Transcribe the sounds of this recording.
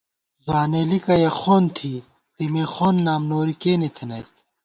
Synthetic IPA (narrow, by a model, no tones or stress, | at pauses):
zwaːnelikɐjɐxoːnt̪ʰiː | t̪imeːxoːnːaːmnoːɾikeːnit̪ʰɐnɐt̪̚